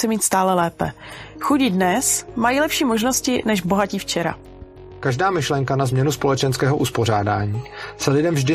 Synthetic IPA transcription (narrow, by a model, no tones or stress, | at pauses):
ɛmiːt̪st̪aːlɛlɛːpɛ̰ | xuɟɪdnɛsmajiːlɛpʃiːmo̞ʒno̞scɪnɛʃbo̞ɦaciːft͡ʃɛɾa̰ | kaʒdaːmɪʃlɛŋkanazmɲɛnuspolɛt͡ʃɛnskɛːɦoʔuspoɾaːdaːɲiːsɛlɪdɛmvʒdɪ